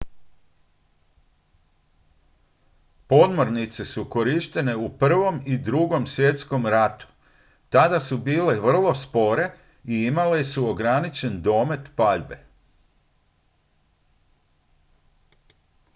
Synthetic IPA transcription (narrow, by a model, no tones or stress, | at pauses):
po̞d̪mo̞ɾnit̪sesuko̞ɾiʃt̪e̞ne̞upr̩ʋo̞mid̪ɾuɡo̞msʋje̞t̪sko̞mɾat̪u̥ | t̪ad̪asubiːleʋr̩lˠo̞spo̞ɾe̞ | iimalesuoɡɾanit͡ʃe̞nd̪o̞ːme̞t̪paʎbe̞̰